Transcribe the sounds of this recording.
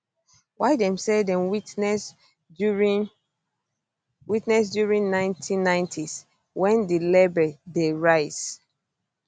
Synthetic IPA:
waɪdɛ̃msɛdɛ̃mwitnɛs | witnɛsdjuɹĩnnãɪ̃ntʰĩnːãɪ̃ntʰis | wɛ̃ndilɛbɛdeɹaɪs

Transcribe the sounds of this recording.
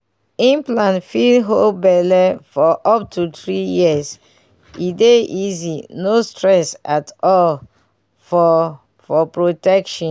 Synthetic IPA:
ĩmplãnfidɦol̚bɛlɛfɔʔɔp̚tʰuθɹijiəs | ideʔizinostɹɛsatɔl | fɔ | fɔpɹotɛkʃɔ̃

